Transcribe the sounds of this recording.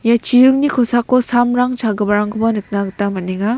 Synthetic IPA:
jat͡ʃiɾuk̚nikʰɔsakːɔsamɾaŋt͡ʃʰaɡɐbaɾaŋkʰɯbanɯt̚naɡtamɐniŋa

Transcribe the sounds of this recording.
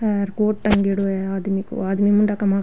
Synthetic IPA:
sɐɾkoːʈ̚t̪ɐŋɡiɽueaːd̪imikṵaːd̪imimuɳɖakɐma

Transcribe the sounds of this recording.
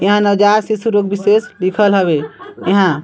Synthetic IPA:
eɦãnəd͡ʒaɾsisuɾok̚biseslikʰəlɦəβeeɦã

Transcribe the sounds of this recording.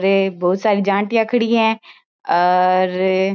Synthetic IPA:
ɾebɔːt̪saːɾid͡ʒãːɳʈjãəkʰəɽiɛ̃ː | ɔːɾ

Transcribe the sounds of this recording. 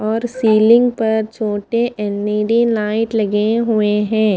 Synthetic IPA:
ɔːɾsiːlɪ̃ŋɡpɐɾt͡ʃʰoːʈeʔɛnːiːɖilaːɪʈlɐɡeɦueɦɛ̃ː

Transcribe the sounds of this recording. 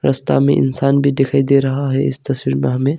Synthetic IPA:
ɾʔɐst̪a̰ːmḛ̃ʔɪ̰nsaːnbʱid̪ekʰaːjd̪eɾɐɦaɦɛʔɪst̪ɐswiɾmeɦɐmẽ

